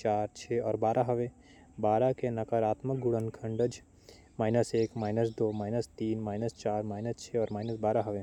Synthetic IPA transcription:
t͡ʃaːɾt͡ʃʰeːɔːɾbaːɾʔaɦɐʋẽ | baːɾakenɐkəɾaːt̪mək̚ɡʊɽənkʰə̃ɳɖəd͡ʒ | maːɪnəseːkmaːɪnəsd̪oːmaːɪnəst̪iːnmaːɪnəst͡ʃaːɾmaːɪnəst͡ʃʰeɔːɾmaːɪnəsbaːɾaɦɐʋe

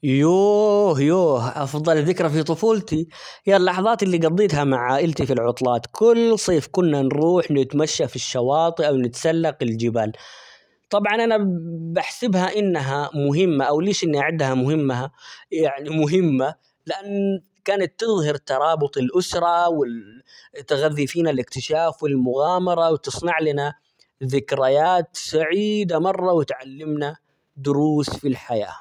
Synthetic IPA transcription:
joːhjoːʔɑfðˤɑlðɪkɾafit̪ˤʊfuːlt̪i | hijalːɑħɑðˤɑːt̪ʔɪlːiɡɑd̪ˤːiːt̪ɦhamaʕaːʔɪlt̪ifilʕʊt̪ˤlɑːt̪kʊlːsˤeːfkʊnːanɾuːħnɪt̪maʃːafiʃːɑwɑːt̪ˤɨʔawnɪt̪salːaqɪld͡ʒɪbaːl | t̪ˤɑbʕɑnʔanabaħsɪbhaʔɪnːɦamʊɦɪmːaʔawleːʃʔɪnːiʔaʕɪd̪hamʊɦɪmːaajaʕnimʊɦɪmːa | lɪʔanː | kaːnat̪ːɨðˤhɑɾt̪ːɑɾˤɑːbʊt̪ˤɪlʔʊsɾˤɑwɪlt̪ːɪɣaðːifiːnalɪkt̪ɪʃaːfwɪlmʊɣaːmɑɾˤɑwt̪ɨsˤnɑʕlɪna | ðɪkɾajaːt̪saʕiːd̪amɑrˤːɑwɪt̪ʕalːɪmna | d̪ʊɾuːsfilħaja̰ː

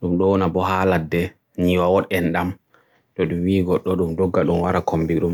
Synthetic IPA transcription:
ɗumɗɔwɔnabɔɦaladːɛ | ɲiwawɔɗɛnɗam | ɗɔɗumwiːɡɔɗːɔɗumdɔɡːaɗumwaɾakombiɗum

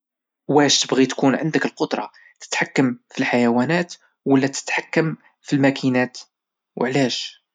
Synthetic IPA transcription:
wæʃt̪əbɣit̪kunʕənd̪əkəlqod̪ɾˤɑ̰ | t̪ə̥t̪ħakːəmfilħajæwænæt̪ | wəlːæt̪ə̥t̪ħakːəm | filmækʰinæt̪ | wʕlæʃ

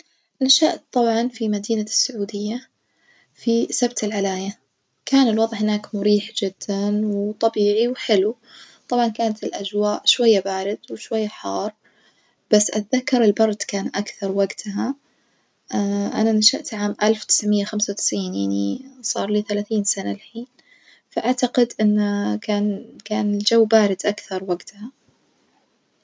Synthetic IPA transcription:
naʃaʔtt̪ˤːɑbʕɑnfimad̪iːnasːʊʕuːd̪ɪjːa | fisabt̪ɪlʕalaːja | kaːnɪlwɑðˤʕhɪnaːkmʊɾiːħd͡ʒɪd̪̥ːanwt̪ˤɑbiːʕiwħɪlu | t̪ˤɑbʕɑnkaːnat̪ɪlʔad͡ʒwaːʔʃwajːabaːɾɪd̪wɪʃwajːaħɑːrˤ | b̥asːʔat̪ðakːɑɾˤɪlbɑɾˤd̪kaːnʔakθɑɾˤwaɡt̪ʰɦa | ʔananaʃaʔt̪ʕaːmʔalfwt̪ɪ̥sʕmɪjːaxamsawt̪ɪ̥sʕiːnjaʕnisˤɑ̰ːɾˤliːθalaːθiːnsanalħiːn | faʔaʕt̪aɡɪd̪ʔɪnːakaːnkaːnɪld͡ʒawːbaːɾɪd̪ʔakθɑɾˤwaɡt̪ha

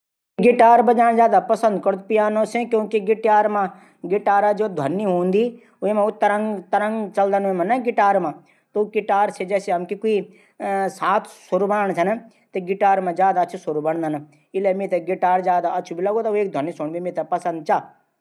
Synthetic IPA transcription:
ɡɪʈaːɾbɐd͡ʒaːɽ̃zjaːd̪apɐsə̃nd̪kɐɽt̪pijaːnõːsẽkjõːkiɡɪʈjaːɾmã | ɡɪʈaːɾad͡ʒoːd̪ʱɐnːiɦũːnd̪iː | ʊemãʊt̪ːəɾəŋɡt̪ːəɾə̃ŋɡt͡ʃɐld̪ənuemãnɐɡɪʈaːɾmãː | t̪okɪʈaːɾsed͡ʒɛːseɦɐmkikui | saːt̪ʰsʊɾubɐnəɳ̃t͡ʃʰɐn | t̪eɡɪʈaːɾmãzjaːd̪aɐtːt͡ʃʃʰusʊɾubɐɳ̃d̪ən | ɪlemẽt̪eɡɪʈaːɾzjaːd̪aɐtːʃʰubilɐɡot̪ɐeːk̚d̪ʱɐnːisoɳ̃bimĩt̪ɐpɐsɐ̃nd̪̚t͡ʃa

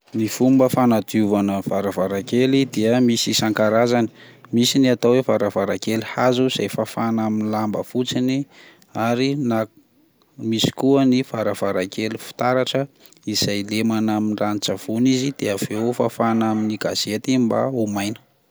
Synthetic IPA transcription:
mifumbəfanad̪iuvanəv̥aɾavaɾakelid̪iəmisisaŋkaɾazani̥misiniat̪awevaɾavaɾakelihazuiz̥ajfafanaminlambə̰fut͡sini | aɾina | misi̥kuəniv̥aɾav̥aɾakelifi̥t̪aɾaʈ͡ʂə | iz̥ajlemanaminranit͡ʃəv̥unizid̪̥eəv̥eofafanaminiɡaz̥et̪imba̰umajnə̥

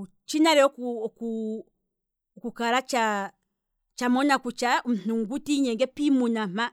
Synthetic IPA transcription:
t͡ʃinaɾɛɔkuɔku | kukaɾat͡ʃa | t͡ʃamɔnakut͡ʃaum̩n̥uŋɡutiɲɛŋɡɛpimunam̥a

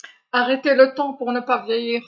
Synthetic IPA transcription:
aʁet̪elət̪ɑ̃puʁnəpavjɛjiːʁ

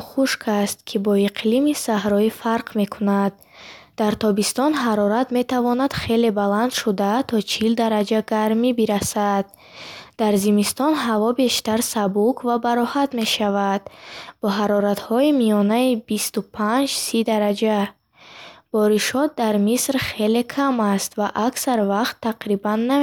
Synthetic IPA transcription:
χuʃkʰast̪̚kʰibɔiqʰlimisaɦɾɔifaɾqʰme̞kʰunad̪̚ː | aɾt̪ʰɔbist̪ɔnɦaɾɔɾat̪me̞t̪ʰavɔnad̪̥χe̞le̞baland̪ʃud̪at̪ʰɔt͡ʃʰild̪aɾad͡ʒaɡaɾmibiɾasad̪̥̚ | d̪aɾzimist̪ɔnɦavɔbe̞ʃt̪aɾsabukʰvabaɾɔhat̪me̞ʃavad̪̥b̥ɔɦaɾɔɾat̪hɔimiɔnaibist̪upʰand͡ʒsid̪aɾad͡ʒa | b̥ɔɾiʃɔt̪̚d̪aɾmisɾχe̞le̞kʰamast̪vaʔaksaɾvaqt̪ʰːaqɾibanːa

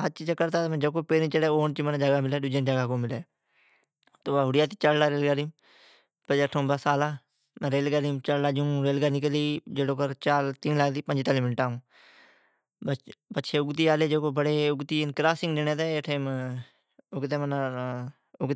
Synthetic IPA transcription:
ət͡ʃiːd͡ʒəkːəɾt̪aːt̪emɛ̃ːd͡ʒəkoːpeːɾĩːt͡ʃəɽeːoːnt͡ʃimənːd͡ʒəɡaːmɪlɛːɖʊd͡ʒənd͡ʒəɡaːkoːmɪlɛː | t̪oːaːɦʊɽɪjaːt̪i̥t͡ʃəllaːɾeːlɡaːɾiːm | pəeʈʰõːbəsaːlaː | m̃ːɾeːlɡaːɾiːmt͡ʃəllaːd͡ʒũːɾeːlɡaːnɪkəliːd͡ʒeːɽoːkəɾt͡ʃaːlt̪iːnlaɡd̪iːpə̃ɲd͡ʒt̪aːlimɪnʈaːũː | bəpətːʃʰeːʊɡt̪̬iːaːleːd͡ʒeːkoːbəɽeːʊɡt̪iːɪnkɾaːsɪ̃ŋɡd̪eneːt̪eːʈʰeːm | ʊɡt̪̬eːməna | ʊɡt̪

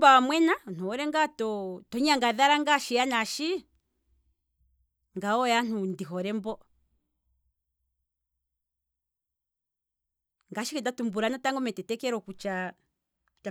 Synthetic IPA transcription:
bawamwɛnan̥uɔɾɛŋɡatɔtɔɲaŋɡaðaɾaŋɡaʃijanaʃi | ŋɡaɔjan̥undiɦɔɾɛmbɔ | ŋɡaʃikɛdatumbuɾanataŋɡɔmɛtɛtɛkɛɾɔkut͡ʃa | kt͡ʃ

